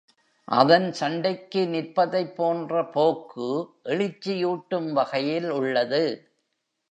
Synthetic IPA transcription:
ʔɐ̰ðɐnsɐɳɖɐkːɯnɪɾpɐðɐɪpːoːndrɐpoːkʰːɯʔɛɭɪt͡ʃːɪjuːʈːɯmʋɐɣɐjɪlʊɭːɐðɯ

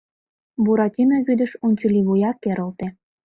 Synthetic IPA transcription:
buɾɑtʲinɑβyd̪ə̆ʃunʲt͡ɕəlʲiβujɑkːeɾə̆lt̪ĕ

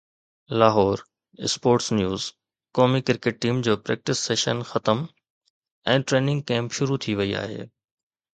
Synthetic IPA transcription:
laːɦɔːɾ | ɪ̰spoːɾʈsnjuːz | kɔːmikɪɾkeʈ̚ʈiːmd͡ʑoːpɾɛ̰ːk̚ʈɪsːeːʃənxɐt̪əm | ɛ̃ːʈɾeːnɪ̃ŋɡ̚kɛ̃ːmpʃʊɾut̪ʰiʋɐia̰ːɦḛː

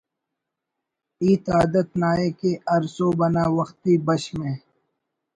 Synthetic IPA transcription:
iːt̪aːd̪ət̪̚naːekeɐɾsoːbɐnaːwɐxt̪iːbɐʃmẽː

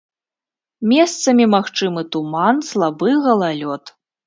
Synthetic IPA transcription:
mʲɛst̪sɐmʲimaxt͡ʂɨmɨt̪umanslˠabɨɣɐlˠalʲɔt̪

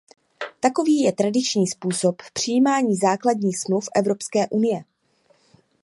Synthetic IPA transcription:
t̪ako̞viːjɛt̪ɾadɪt͡ʃɲiːspuːso̞ppr̝̥ɪjiːmaːɲiːzaːkladɲiːxsmlufʔɛvɾo̞pskɛːʔunɪjɛ

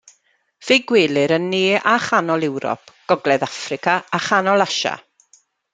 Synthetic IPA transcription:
v̥eɡwɪːlˠɪɾənːeːʔaχanɔlˠɪwɾɔ̰pʰɡ̥ɔɡlˠɛðafrɪkaaχanɔlˠaʃa̰

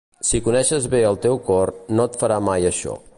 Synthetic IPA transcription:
sikunɛʃəzβeəlˠt̪ewkɔrnot̪fəɾamajəʃɔ̰

